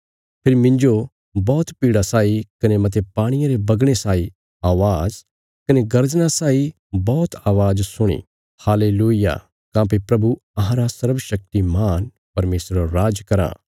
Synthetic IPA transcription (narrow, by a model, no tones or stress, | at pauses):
pʰɪɾimɪ̃nd͡ʒo | bɔːt̪piːɽasaːikɐnemɐt̪̬epaːɽ̃ɪjãɾebɐɡɽ̃esaːi | aːʋaːz | kɐneɡɐɾd͡ʒñasaːi | bɔːt̪ʰaːʋaːd͡ʒsʊɽ̃ḭ | haːleːluːɪja̰ | kãːp̬ipɾɐbuɐɦãɾasɐɾbʃɐk̚t̪imaːn | pɐɾmeːsɾoɾaːd͡ʒkɐɾã̰